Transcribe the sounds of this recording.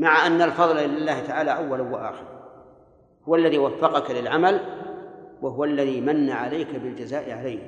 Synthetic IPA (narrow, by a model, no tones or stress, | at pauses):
maʕaʔanːalfɑðˤlʔɪlalːaːht̪aʕaːlaʔawːalawaʔa̰ːxɪɾˤ | hʊwalːaðiːwafːɑqɑkalɪlʕamal | waɦʊwaalːaðiːmanːaʕalajkabɪld͡ʒazaːʔɪʕalajh